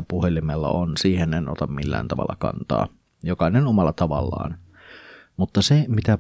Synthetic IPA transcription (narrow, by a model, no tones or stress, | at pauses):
puhelimelːɑ̰onsiːheneno̰t̪ɑmmilːæ̰ːnt̪ɑʋɑ̰lːɑkɑ̰nt̪ɑ̰ː | jokɑnenomɑlˑːɑt̪ɑʋɑlːɑ̰ːn | mut̪ːɑsemit̪æ